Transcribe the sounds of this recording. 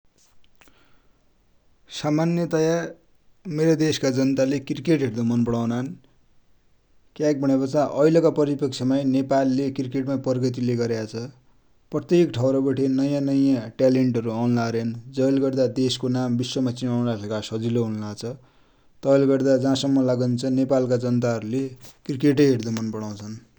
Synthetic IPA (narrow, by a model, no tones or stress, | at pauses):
samanjʌt̪ʌjar | meɾʌd̪eskad͡zʌnt̪alekirkeʈɦeɾd̪omʌnpʌɽawnan | kjak̚bʱʌɽ̃epʌt͡sãʔʌjlʌkapʌɾipʌk̚t͡sʰʌmajnepalːekrkeʈmapʌrɡʌt̪̬ileɡʌɾjat͡sʰʌ | prʌt̪jekʈʰʌwɾʌbʌʈʰenʌjãnʌjãʈaleɳʈʌɾuawnlaɾjand͡zʌjlɡʌrd̪ad̪eskonambiswʌmat͡sinawnɾakʰekasʌd͡ziloɦunlat͡sʰʌ | t̪ʌjlɡʌrd̪ad͡zãsʌmːʌlaɡʌnt͡sʰʌnepalkad͡zʌnt̪aɦʌɾulekrikeʈ̬ʌjɦeɽd̪umʌnpʌɽaw̃t͡sʰʌn